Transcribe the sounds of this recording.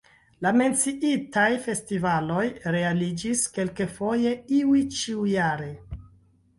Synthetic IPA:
lame̞nt͡siʔitajfe̞stivalo̞jɾe̞alid͡ʒiske̞lke̞fo̞je̞iwit͡ʃiujaɾe̞

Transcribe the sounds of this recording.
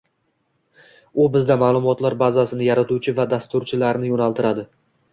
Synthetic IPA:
ʊbɪzd̪amaːlˠʊmɒt̪laɾbazasɪnɪjaɾat̪uwt͡ʃʰɪvad̪ast̪ʊɾt͡ʃʰɪlaɾnɪjonalˠt̪ʰɪɾad̪ɪ

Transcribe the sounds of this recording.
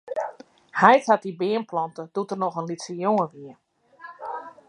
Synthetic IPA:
hɛjthat̚dibɪənplɔntəd̥utərnɔxənlitsəjoŋəʋiə

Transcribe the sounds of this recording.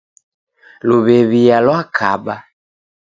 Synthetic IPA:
luβɛβijalwakʰa̰ɓa

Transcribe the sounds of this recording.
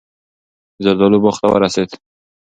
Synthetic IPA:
zəɾd̪ɔlubɔχt̪a̰wa̰ɾaset̪

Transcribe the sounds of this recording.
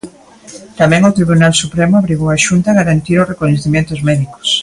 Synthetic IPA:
t̪amɛ̃ŋot̪ɾiβ̞unalsupɾemoaβɾiɣowaʃunt̪aɣaɾant̪iɾosrekoɲeθimjẽnt̪ʊzmɛðiko̥s

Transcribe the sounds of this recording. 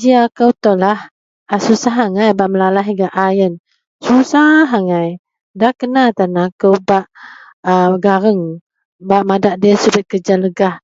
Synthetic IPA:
d͡ʒiakəwt̪ɔlah | asusaɦaŋajbaʔməlalaɦiɡaʔajən | susaɦaŋaj | dahkənat̪anakəwbaʔ | əɡaɾəŋ | baʔmadaʔdisubət̪̚kəd͡ʒanləɡah

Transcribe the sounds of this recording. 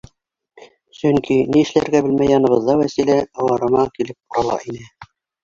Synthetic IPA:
sɵŋkiniɘ̆ʃlæɾɡæbɘ̆lmæjːɑnɤ̆βɤ̆ðːɑwæsilæɑw̪ɑɾɤ̆nɑkilɘp̚qŏɾɑlˠɑ̰ʔinɘ

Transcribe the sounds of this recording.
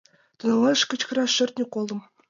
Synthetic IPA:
t̪ɤ̆nɑlˠɑɤ̆ʂkɘ̆t͡ɕk̆rɑʂɘ̆rt̪̚ʲnʲikolˠɤ̆m

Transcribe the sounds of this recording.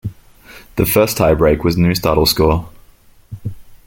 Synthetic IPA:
ðəfɜˑstʰhaɪbɹeɪkwɒznjʉːstɑ̰ɾl̩ˠskɔː

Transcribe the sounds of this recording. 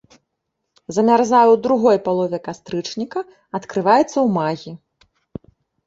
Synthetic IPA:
zɐmʲarzajuwd̪ɾuɣɔjpalˠɔvʲɛkast̪ɾɨt͡ʂnʲikɐ | ɐt̪kɾɨvajɛt̪sːɐwmaɣʲi

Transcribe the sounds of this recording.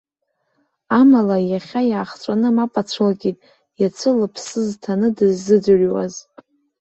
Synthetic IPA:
amalajaχʲajaːχt͡sʷʼanɨmapʼat͡ɕʷʰɨlɡʲitʼ | jat͡sʷʰɨlɨpʰsɨztʰanɨdɨzːɨd͡zɨrʲwa̰z

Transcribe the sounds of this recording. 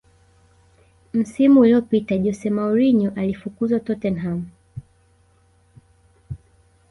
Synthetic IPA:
m̩simuːliɔpitaʄɔsɛmauɾiɲɔʔalifukuzwatɔtɛnɦam

